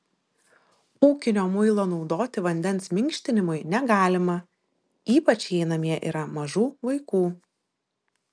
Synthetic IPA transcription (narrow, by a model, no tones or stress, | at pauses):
uːkʲɪnʲoːmʊɪlˠoːnɒʊd̪oːt̪ʲɪʋɐnʲd̪ʲɛnsmʲɪŋʲkʃʲt̪ʲɪnʲɪmʊɪnʲɛɡɑːlʲɪmɐ | iːpɐt͡ʃʲɛɪnɐmʲiɛʔḭːɾɐmɐʒuːʋɐɪkuː